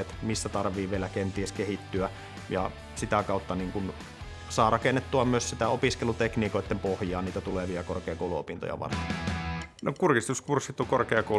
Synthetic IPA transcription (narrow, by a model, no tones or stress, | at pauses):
et̪misːæt̪ɑrʋiːʋielækent̪ieskehit̪ːyæ | jɑ̰ | sit̪ækɑˑut̪ːɑniːŋkun | sɑːrɑkenːet̪ːuɑmyøssit̪æopiskelut̪ekniːkoˑet̪ːempohjɑːnniːt̪æt̪uleʋiɑkorkeɑkoˑuluo̰pint̪o̰jɑ̰ʋɑ̰rt̪ennokurkist̪uskursːit̪ːokorkeɑko